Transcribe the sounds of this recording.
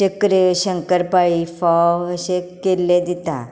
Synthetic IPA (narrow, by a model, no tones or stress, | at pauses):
t͡ɕəkɾeɕəŋkəɾpaifɔəɕekelːed̪it̪a̰